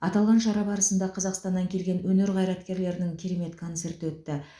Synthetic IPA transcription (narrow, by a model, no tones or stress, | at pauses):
ɑt̪ɑlˠʁɑnʃɑɾɑbɑɾəsənd̪ɑqʰɑzɑqst̪ɑnːɑŋkʲʰe̞lɡʲe̞nwɵne̞ɾʁɑjɾɑt̪kʲe̞ɾle̞ɾɪnɪŋkʲʰiɾe̞me̞t̪kʰo̞nt̪se̞ɾt̪əwɵt̪ːɪ